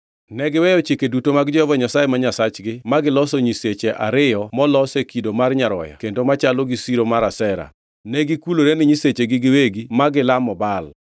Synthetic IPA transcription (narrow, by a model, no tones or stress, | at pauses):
nɛɡɪwɛjɔt͡ʃikedutomaɡd͡ʒɔhɔvɔɲasajemaɲasat͡ʃɡɪmaɡɪlɔsɔɲiset͡ʃeʔa̰ɾɪjɔmɔlɔsekidomarɲaɾɔ̰ja̰kendomat͡ʃaloɡisiɾomaɾasɛɾa̰ | nɛɡikuloɾenɪɲiset͡ʃeɡɪɡɪweɡimaɡɪlamɔbal